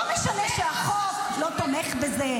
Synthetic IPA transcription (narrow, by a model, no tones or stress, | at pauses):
omeʃaneʃeaχok | lot̪ameχbeze